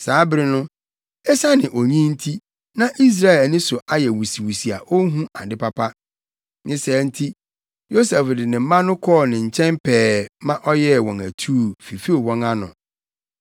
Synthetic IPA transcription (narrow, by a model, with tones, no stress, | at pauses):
saː˨˦bɾɪ˦nʊ̃˦ | ɛ˦sa˦nɪ̃˨ʔo˨ɲĩ˦n̩˦tʰi˦ | nã˦ʔi˦s̬ɾa˦ɛ˨lnɪ̃˦sʊ˨ʔa˦jɛ˨wu˨si˨wu˨si˨a̰˨ʔo˦ɦũ˦ʔa˨dɪ˦pa˦pʰa˦ | nɪ̃˦sɛː˨˦n̩˦tʰi˦ | jo˦sɛ˨fdɪ˨nɪ̃˨m̩˦mã˦nʊ̃˦kʰɔː˦˨nɪ̃˨ɲ̩˨t͡ɕʰɛ̃˦mpʰɛː˨mã˦ʔɔ˦jɛ˦˨wɔ̃˨ŋæ˨tʰuː˦˨fi˨fi˦o˨wɔ̃˦ŋa˦nʊ̰̃˨